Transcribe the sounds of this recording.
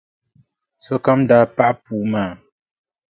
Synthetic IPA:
sɔ˦ka˦mda˨˦pa˦ʔpu˨˦maː˦˨

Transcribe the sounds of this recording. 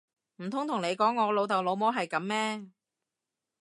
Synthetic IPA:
m̩˨˩t̪ʰʊ˥ŋt̪ʰʊ˨˩ŋne˨˧jkɔː˨˥ŋːɔː˨˧lo˨˧wt̪ɐ˨wlo˨˧wmɔː˨˥ɦɐ˨jkɐ˨˥mmɛː˥

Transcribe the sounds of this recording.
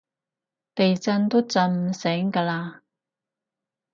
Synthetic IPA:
t̪e˨jt͡sɐ˧nt̪o˥wt͡sɐ˧n˨sɛː˨˥ŋkaː˧laː˧

